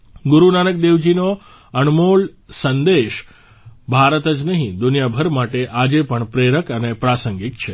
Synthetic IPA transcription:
ɡʊɾunanək̚d̪eʋd͡ʒino | ənmoɭsənd̪eʃ | bʱaɾət̪əd͡ʒnəɦĩd̪ʊnjabʱəɾmaʈeʔad͡ʒepəɳpɾeɾəkənepɾasəŋɡikt͡ʃʰe

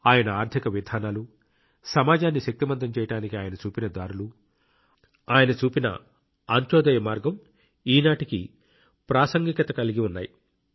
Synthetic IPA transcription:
aːjɐnɐaːɾt̪ʰikɐʋid̪ʱaːnaːlu | sɐmaːd͡ʒaːnːiʃɐk̚t̪imɐnt̪ɐmt͡ʃɛːjɐʈaːnikiaːjɐnɐt͡ʃuːpinɐd̪aːɾulu | aːjɐnɐt͡ʃuːpinɐ̰ | aːɲt͡ʃɔːd̪ɐjɐmaːɾɡɐm | iːnaːʈiki | pɾaːsɐŋɡikɐt̪ɐkɐliɡiunːaːji

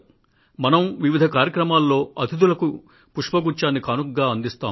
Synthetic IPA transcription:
mɐnɐmʋiʋid̪ʱɐkaːɾjɐkɾɐmaːlːo̞ːɐt̪ʰid̪ulɐku | puʂpɐɡut͡ʃaːnikaːnukɡaːɐnd̪ist̪a̰ːm

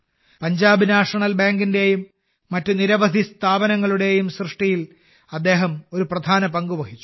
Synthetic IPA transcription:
pɐɲd͡ʑaːbinaːʂɐɳɐlbaːŋɡinde̞jumː | ɐtːuniɾɐʋɐd̪ʱist̪ʰaːbɐnɐŋːɐɭuɽe̞jumsrɨʂʈijil | ɐd̪ːe̞ːɦɐmo̞ɾuprɐd̪ʱaːnɐpɐŋɡuʋɐɦit͡ɕːu̥

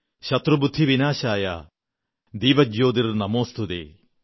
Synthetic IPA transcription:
ɕɐt̪rubud̪ʱːiʋinaːɕaːjɐ̰ | d̪iːʋɐd͡ʒjoːd̪irnɐmoːst̪ʰud̪ḛː

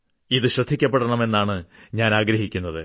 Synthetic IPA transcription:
iðɨɕrɐd̪ʱːikʲːɐpːeɽɐɳɐme̞nːaːɳɨɲaːnaːɡɾɐɦikʲːunːɐðɨ

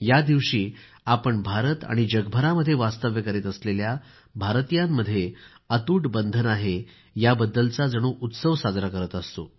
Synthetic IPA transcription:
jad̪iʋɕiː | apəɳbʱaɾət̪a̰ɽ̃id͡ʑəɡbʱəɾaməd̪ʱːjeʋast̪əʋjəkəɾet̪əslelja | bʱaɾt̪ijamːəd̪ʱːje | ət̪uːʈbənd̪ʱənaɦe | jabəd̪ːəlt͡sad͡zəɽ̃uːʔut̪səʋsad͡zɾakəɾət̪əst̪o̰

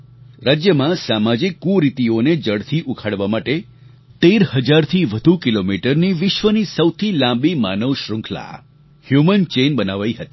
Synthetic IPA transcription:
ɾad͡ʒjəmãsamad͡ʒikːuɾit̪ioned͡ʒəɽt̪ʰiʔukʰaɽʋamaʈe | t̪eɾhəd͡ʒaɾt̪ʰiʋəd̪ʱukilomiʈəɾniʋɪʃʋənisəwt̪ʰilãmbima̰nəʋʃɾʊ̃ŋkʰla̰ | hjumənt͡ʃenbənaʋaiɦət̪i̥

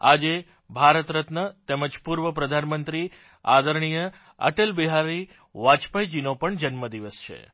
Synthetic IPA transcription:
ad͡ʒe | bʱaɾət̪ɾət̪nət̪eməd͡ʒpuɾʋəpɾəd̪ʱanmənt̪ɾi | a̰d̪əɾɳ̃ijə | ə̰ʈelbiɦaɾi | ʋat͡ʃpəjd͡ʒinopəɳd͡ʒənməd̪iʋəst͡ʃʰḛ

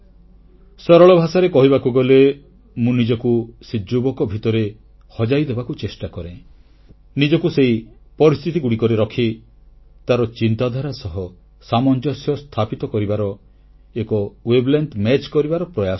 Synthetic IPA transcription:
sɔɾɔɭɔbʱasaɾekɔɦibakuɡɔle | mũnid͡ʒɔkusid͡ʒubɔkɔbʱit̪ɔɾe | hɔd͡ʒajd̪ebakut͡ʃesʈakɔɾẽ | nid͡ʒɔkuseipɔɾist̪ʰit̪iɡuɽikɔɾeɾɔkʰi | t̪aɾɔt͡ʃint̪ad̪ʱaɾasɔɦɔ | samɔnd͡ʒɔsjɔst̪ʰapit̪ɔkɔɾibaɾɔ | ekɔweblent̪mɛt͡ʃkɔɾibaɾɔpɾɔjas

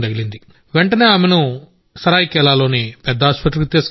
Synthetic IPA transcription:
d̪ɐɡilind̪i | ʋeɳʈɐne̞ːaːmenu | sɐɾaːjikɛlaːlo̞ːnipɛd̪ːaːspɐt̪̬lkit̪iːs

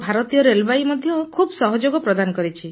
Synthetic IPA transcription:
bʱaɾɔt̪ijɔɾelbaimɔd̪ʱjɔkʰubsɔɦɔd͡ʒoɡɔpɾɔd̪anɔkɔɾit͡ʃʰi

